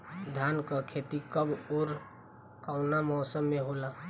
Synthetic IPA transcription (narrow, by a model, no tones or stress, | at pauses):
d̪ʱjankəkʰet̪ikəboɾ | kaʊnamɔːsəmːeɦola